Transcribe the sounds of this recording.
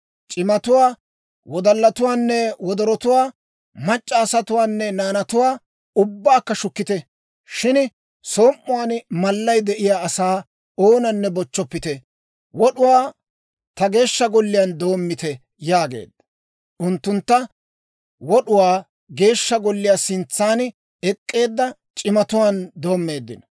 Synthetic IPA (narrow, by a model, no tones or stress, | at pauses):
t͡ʃʼɪmɐt̪ʊwaː | wɔd̪ɐlːɐt̪ʊwaːnːɛwɔd̪ɔɾɔt̪ʊwaː | mɐt͡ʃʼːaːsɐt̪ʊwaːnːɛnaːnɐt̪ʊwaː | ʊbːaːkːɐʃʊkːɪt̪ɛ | ʃɪn | so̞ːmːʊwaːnmɐlːɐjd̪ɛʔɪjaːɐsaː | oːnɐnːɛbɔt͡ʃːɔpːɪt̪ɛ | wɔɗʊwaː | t̪ɐɡe̞ːʃːɐɡɔlːɪjand̪o̞ːmːɪt̪ɛ | jaːɡe̞̰ːd̪ɐ | ʔʊnt̪ːʊnt̪ːɐ | wɔɗʊwaː | ɡe̞ːʃːɐɡɔlːɪjaːsɪnt͡sːaːn | ɛkʼːe̞ːd̪ːɐt͡ʃʼɪmɐt̪ʊwaːnd̪o̞ːmːe̞ːd̪ːɪ̰n